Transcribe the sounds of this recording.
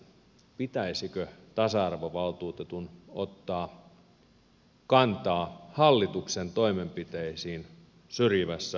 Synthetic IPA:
pit̪æisikøt̪ɑsɑɑrʋoʋɑlt̪uːt̪et̪uno̰t̪ːɑː | kɑnt̪ɑːhɑlːit̪uksent̪oimempit̪eisiːn | syrjiʋæsːæ

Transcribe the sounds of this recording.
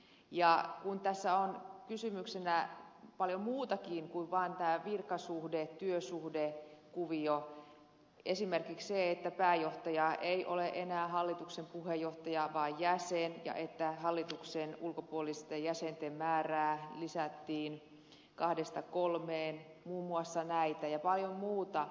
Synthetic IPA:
jɑkunt̪æsːæonkysymyksenæpɑljomuːt̪ɑkiːŋkuiʋʋɑːnt̪æːʋirkɑsuhdett̪yøsuhdekuʋio | esimerkiksseet̪ːæpæːjoht̪ɑjɑʔeiʔoleʔenæːhɑlːit̪uksempuhejːoht̪ɑjɑʋɑːjjæsenjɑ̰ʔet̪ːæhɑlːit̪uksenulkopuolist̪ɑjæsent̪emmæːræːlisæt̪ːiːn | kɑhdest̪ɑkolmeːnmuːmːuɑsːɑnæit̪æjɑpɑljommuːt̪ɑ

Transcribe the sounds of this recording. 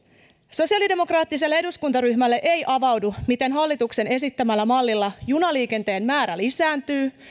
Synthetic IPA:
so̞siɑlide̞mo̞krɑːt̪ːis̬e̞lːee̞duskunt̪ɑryçmælːeʔe̞jʔɑʋɑwdumit̪e̞nɦɑlːit̪ukse̞ne̞sit̪ːæmælːæmɑlːilːɑjunɑliːke̞nt̪e̞ːnmæːɾælisæːnt̪yː

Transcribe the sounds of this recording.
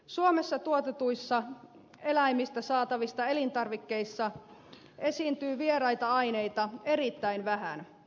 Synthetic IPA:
suome̞sːɑt̪uot̪et̪uisːɑ | e̞læimːist̪æsɑːt̪ɑʋist̪ɑe̞lint̪ɑrʋikːe̞isːɑ | e̞sint̪yːʋierɑjt̪ɑɑine̞jt̪ɑe̞ɾit̪ːæinʋæɦæ̰n

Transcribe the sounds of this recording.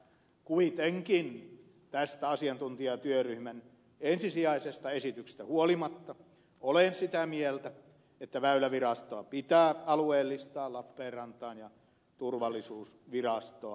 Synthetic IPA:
kuit̪eŋkin | t̪æst̪æɑsiɑnt̪unt̪iɑt̪yøryhmæn | ensisiɑisest̪ɑesit̪ykse̥s̆t̪æhuolimɑt̪ːɑ | olensit̪æmielt̪æ | et̪ːæʋæylæʋirɑst̪oɑpit̪æːɑlueːlːist̪ɑːlɑpːeːrɑnt̪ˑɑːnjɑ | t̪urʋɑlːˑisuːs | ʋirɑst̪oɑ

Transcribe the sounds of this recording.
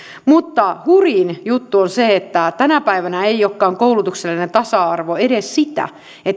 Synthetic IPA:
mut̪ːɑhurinjut̪ːuonseet̪ːæt̪ænæpæiʋænæeijokːɑːŋkoulut̪ukselːinent̪ɑsɑɑrʋoeɾessit̪æ̰ | et̪ː

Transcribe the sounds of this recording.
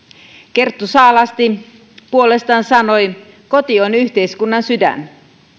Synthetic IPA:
ke̞rt̪ːusɑːlɑst̪i | puo̞le̞st̪ɑːnsɑno̞j | ko̞t̪ionyçt̪e̞jskunːɑnsydæ̰n

